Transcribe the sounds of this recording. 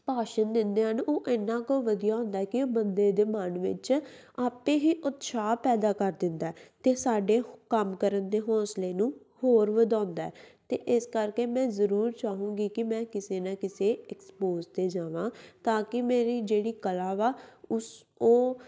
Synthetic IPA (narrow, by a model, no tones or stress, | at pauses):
paːʃənd̪ɪnd̪eːɦənoːʔɪnːãːkoːʋəd̪ijaːɦʊ̃nd̪aːɛːkɪbənd̪eːd̪eːmənʋɪ̰t͡ʃ | aːpẽːɦiːʔʊt̪ʃaːpɛːd̪aːkəɾd̪ɪnd̪aːɛːt̪eːsaːɖeːkəmkəɾənd̪eːɦɔ̃ːsleːnũː | hoːɾʋəd̪ãːnd̪aːɛːt̪ḛːʔɪskəɾkeːmɛ̃ːzəɾuːɾt͡ʃaːɦũːɡiːkɪmɛ̃ːkɪseːnãːkɪseːɛkspoːzt̪eːd͡ʒaːʋãːt̪aːkɪmeːɾiːd͡ʒeːɽiːkəlaːʋaːʊs | oː